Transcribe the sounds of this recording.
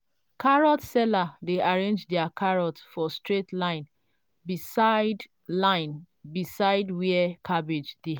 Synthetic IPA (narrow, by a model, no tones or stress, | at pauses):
kaɹɔtsɛladeʔaɹẽnd͡ʒdɛakʰaɹɔtsfɔstɹetlãɪ̃n | bisaɪd | lãɪ̃n | bisaɪdwiɛkʰabid͡ʒde